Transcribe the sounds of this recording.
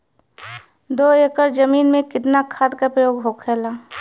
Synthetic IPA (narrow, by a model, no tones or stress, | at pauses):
d̪oːeːkəɾd͡ʒəmiːnmẽkɪt̪nakʰaːd̪kapɾəjoːɡɦoːkʰɛːlaː